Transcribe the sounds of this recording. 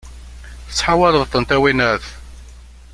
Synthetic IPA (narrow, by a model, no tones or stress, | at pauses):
θəsːħawæləðˤθənt̪æwinæθ